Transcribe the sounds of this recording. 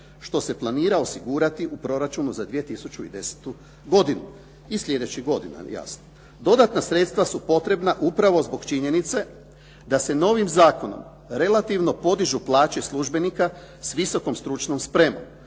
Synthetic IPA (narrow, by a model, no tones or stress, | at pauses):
ʃt̪o̞se̞plˠaniːɾao̞siɡuːɾat̪iʔupɾo̞ɾat͡ʃunuzad̪ʋije̞t̪isut͡ʃuḭd̪e̞se̥t̪u | ɡo̞d̪inu | islʎʲe̞d̪et͡ɕiɡo̞d̪ina̰ja̰sno | d̪o̞d̪at̪nasɾe̞t̪st̪ʋasupo̞t̪ɾe̞bnaʔupɾaʋo̞zbo̞ɡt͡ʃiɲe̞nit̪se̞ | d̪ase̞no̞ːʋimzaːko̞no̰m | ɾe̞lˠat̪iʋno̞po̞d̪iʒuplˠaːt͡ʃeslˠuʒbe̞nika | sʋiso̞ko̞mst̪ɾut͡ʃno̞mspɾe̞mo̰m